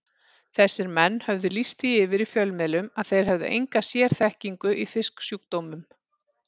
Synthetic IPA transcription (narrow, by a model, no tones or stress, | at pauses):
θɛsːɪɾmɛnːhœvðʏlist̪iɪːvɪɾifjœlmɛlʏmaðθejɾ̥ɦɛvðʏ̰ʔḛjŋkasjɛːɾ̥θɛhciŋkʏʔifɪsksjuk̚t̪owmʏm